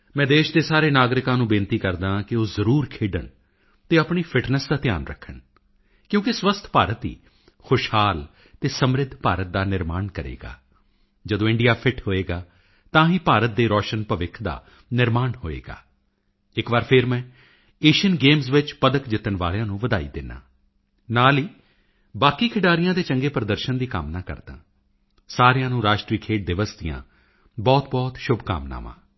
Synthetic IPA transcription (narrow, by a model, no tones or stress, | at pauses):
mɛ̃ːd̪eːʃd̪eːsaːɾeːnaːɡɾɪkãːnũːbɪ̃nt̪iːkəɾd̪ãːkɪoːzəɾuːɾkʰeːɖə̰ɳ | t̪eːapɳiːpʰɪʈnəsd̪aːt̪ɪja̰ːnɾə̰kʰːəɳ | kjõːkɪswəst̪ʰpaːɾət̪ɦḭː | xʰoʃhaːl | t̪eːsəmɾɪd̪ʱpaːɾət̪̚d̪aːnɪɾmaːnkəɾḛːɡa̰ː | d͡ʒəd̪õːɪ̃ɳɖijaːpʰɪʈɦoːeːɡaː | t̪ãːɦiːpaːɾət̪̚d̪eːɾɔːʃənpəʋɪkʰd̪a̰ː | nɪɾmaːɳhoːḛːɡa̰ː | ɪkʋaːɾpʰɪɾmɛ̃ː | eːʃənɡeːmzʋɪt͡ʃpəd̪əkd͡ʒɪt̪ːənʋaːɭjãːnũːʋəd̪aːḭːd̪ɪnːã̰ː | naːliː | baːkiːkʰɪɖaːɾɪjãːd̪eːt͡ʃəŋɡeːpɾəd̪əɾʃənd̪iːkəmnaːkə̰ɾd̪ã̰ː | saːɾejãːnũːɾaːʃʈɾiːkʰeːʈ̚d̪ɪʋəsd̪ɪjã̰ː | bɔːt̪bɔːt̪ʃʊbʱka̰ːmna̰ːmã̰ː